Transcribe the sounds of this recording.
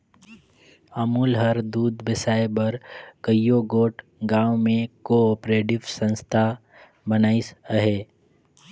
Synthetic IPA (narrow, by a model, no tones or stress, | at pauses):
əmuːlɦəɾd̪uːd̪bɪsaːebəɾkəjoɡoːʈ | ɡãːwmẽkoɔːpɾeːʈɪʋsə̃nst̪ʰa | bənaːisəɦeː